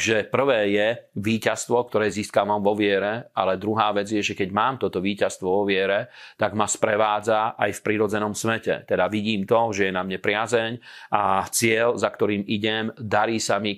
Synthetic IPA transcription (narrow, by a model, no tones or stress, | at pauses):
ʒɛpr̩ʋɛːjɛʋiːcast̪ʋɔk̚t̪ɔɾɛːziːskaʋamʋɔʋɪɛɾɛalɛd̪ɾuɦaːʋɛd͡zjɛʒɛkɛɟmaːmt̪ɔt̪ɔʋiːcast̪ʋɔʋɔʋɪɛɾɛt̪aɡmaspɾɛʋaːd͡zaʔajfpɾiɾɔd͡zɛnɔmsmɛcɛ̰t̪ɛd̪aʋiɟiːmt̪ɔʒɛjɛnamɲɛpɾɪazɛɲʔat͡sɪɛlzakt̪ɔɾiːmiɟɛmd̪aɾiːsami